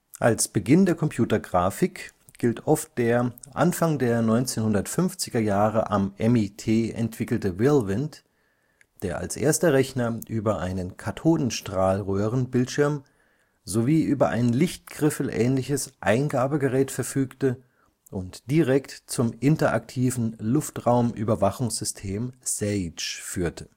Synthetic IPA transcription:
ʔalsb̥əɡɪndeːɐkʰɔmpʰj̥uːtɐɡʁaːfɪk | ɡ̥ɪltʰʔɔft̚d̥eːɐʔa̰nfaŋdeːɐnɔʏnt͡seːnhʊndɐtfʏnft͡sɪɡɐjaːʁə̰ʔa̰mʔɛmitʰeːʔɛ̰ntv̥ɪkl̩təvɪlvɪnt | d̥eːɐʔa̰lsʔḛːɐstɐʁɛçnɐʔyːbɐʔa̰ɪnənkʰatʰoːdn̩ʃtʁ̥aːlʁøːʁənbɪltʃɪɐm | zoviːʔyːbɐʔa̰ɪnənlɪçt̚ɡ̥ʁ̥ɪfl̩ʔɛ̰ːnlɪçəsʔa̰ɪnɡaːbəɡəʁɛːtfɛɐfyːktə | ʔʊntd̥iʁɛktt͡sʊmʔɪntɐʔa̰ktʰiːvn̩lʊftʁaʊmʔy̰ːbɐvaχʊŋsz̥ʏstʰeːmsɛɪt͡ʃfyːɐtʰə̥

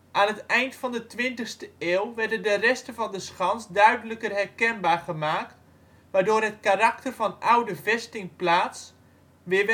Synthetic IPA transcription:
ʔaːnɦətɛjntfɑndətʋɪntəxstəeːlˠʋɛrdəndərɛstəvɑndəsχɑnsdœɥdələkərɦɛrkɛnbaːrχəmaːkt | ʋaːdoːɾɦətkaraktərvɑnɔwdəvɛstɪŋplaːs | ʋɪʋ

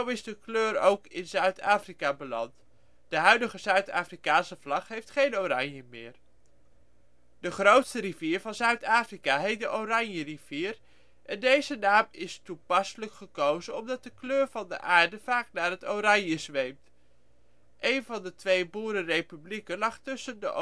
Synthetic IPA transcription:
owɪzdəkløːɾowkɪnzœɥtaːfrikabəlɑ̰nt | d̥əɦœɥdəχəzœɥta̰ːfrikaːnsəvlɑχɦejftχejnoɾɑnjəmɪ̰ːɹ | d̥əχrowtstəriviːɹvɑnzœɥtaːfrikaɦejt̚dəʔorɑnjəriv̥iːr | ʔɛndejzənaːmɪstupɑsələkχəkowzənɔmdɑt̚dəkløːɹvɑndə̰ʔaːɹdəv̥aːknaːɹɦətowrɑɲjəzʋejmt | ʔejnvɑndətʋejbuːɾərejpyblikənlɑχtʏsəndəʔ

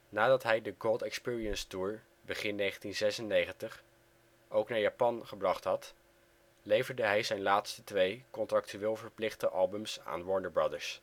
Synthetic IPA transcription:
naːdɑtɦɛjdəɡolˠtɛkspɪːɹiənstuːɹ | bəχɪnːejχəntinzɛsənejχəntəχ | ʔowknaːɹjaːpɑnχəbrɑχtɦɑt | lejvəɹdəɦɛjzɛjnlaːtstətʋejkɔntrɑk̚tyʋɪːlˠvəɹplɪχdəʔɑlˠbəmsa̰ːnwɔɹndəɹbɹɑdəɹs

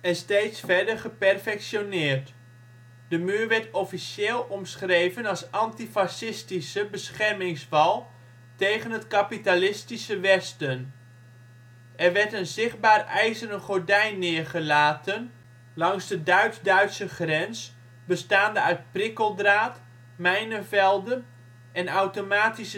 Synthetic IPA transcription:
ɛnstejtsfɛɹdəɹχəpɛrfɛkʃjonɪːɹt | d̥əmyːɹʋɛɹtɔfiʃeːlˠɔmsχrejvənɑlˠsɑntifasɪstisəbəsχɛɹmɪŋsfɑlˠ | tejχənɦətkapitalɪstisəʋɛstən | ʔɛrʋɛɹtənzɪχt̚baːrɛjzərəχoɹdɛjnːɪːəɹχəlaːtən | lɑŋzdədœɥtdœɥtsəχrɛns | bəstaːndəœɥt̚prɪkəlˠdraːt | mɛjnəvɛlˠdən | ɛnawtomaːtisə

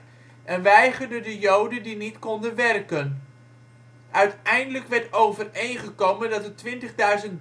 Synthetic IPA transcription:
ʔɛnʋɛjχərdəndəjowdəndinitkɔndənʋɛrkən | ʔœɥtɛjndələkʋɛɹtowvərejnχəkowməndɑtətʋɪntəχdœɥzənt

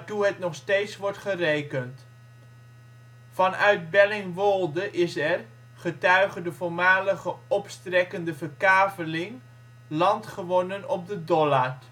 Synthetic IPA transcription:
tuɦətnɔχstejtsʋɔɹtχərejkənt | fɑnœɥdbɛlɪŋʋɔlˠdəʔɪsɛr | χətœɥχədəvʊːɹmaːləχəɔpstrɛkəndəvəɹkaːvəlɪŋ | lɑntχəʋɔnənɔp̚dədɔlaɹt

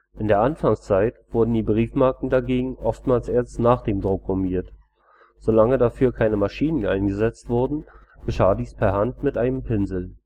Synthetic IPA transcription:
ʔɪndeːɐʔanfaŋst͡saɪtv̥ʊɐdn̩diːbʁiːfmaɐkŋ̩daɡeːɡŋ̩ʔɔftmaːlsʔeːɐstnaːχd̥eːmdʁʊkːʊmiːɐt | z̥olaŋədafyːɐkʰaɪnəmaʃiːnənʔaɪnɡəzɛt͡stv̥ʊɐdn̩ | ɡ̥əʃaːdiːspʰɛɐɦantmɪtʔaɪnəmpʰɪnzl̩

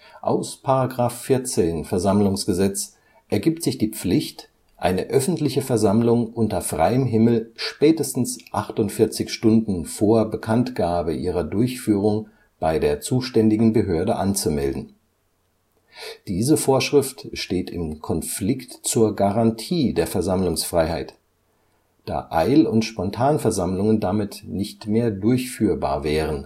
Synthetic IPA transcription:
ʔa̰ʊspʰaʁaɡʁaːfːɪɐt͡seːnfɛɐzamlʊŋsɡ̥əzɛt͡s | ʔɛɐɡiːp̚tz̥ɪçd̥iːp͡flɪçt | ʔa̰ɪnəʔœfn̩tlɪçəfɛɐzamlʊŋʔʊntɐfʁ̥a̰ɪəmɦɪml̩ʃpɛːtəstn̩sʔaχtʊntfɪɐt͡sɪçʃtʊndn̩foːɐbəkʰantɡ̥aːbəʔiːʁ̞ɐdʊɐçfyːʁ̞ʊŋ | b̥aɪdeːɐt͡suːʃtɛndɪɡŋ̩bəɦøːɐdəʔant͡sumɛldn̩ | d̥iːzəfoːɐʃʁ̥ɪftʃteːtɪmkʰɔnflɪktt͡suːɐɡaʁantʰiːdeːɐfɛɐzamlʊŋsfʁ̥aɪhaɪt | d̥a̰ːʔaɪlʊntʃpɔntʰaːnfɛɐzamlʊŋəndamɪtnɪçtmeːɐdʊɐçfyːɐba̰ːɐvɛːʁən

